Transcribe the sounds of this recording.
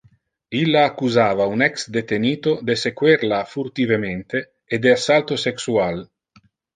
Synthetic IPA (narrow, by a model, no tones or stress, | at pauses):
ilːaːkːuzaːvaunɛksd̪et̪eniːt̪od̪esekwɛɾlafurt̪ivement̪eː | d̪easalt̪oseksual